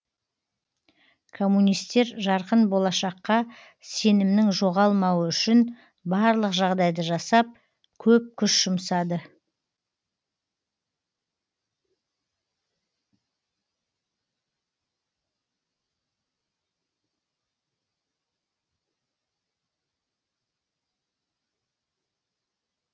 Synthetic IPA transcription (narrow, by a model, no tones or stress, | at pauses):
kʰo̞mːunijst̪e̞ɾʒɑɾqənbo̞lˠɑʃɑqːɑ | se̞nɪmnɪŋʒo̞ʁɑlˠmɑwəʏʃɪn | bɑɾlˠəqʒɑʁd̪ɑjd̪əʒɑsɑp̚ | kʲʰɵp̚kʲʰʏʃʒ̥ʊmsɑd̪ə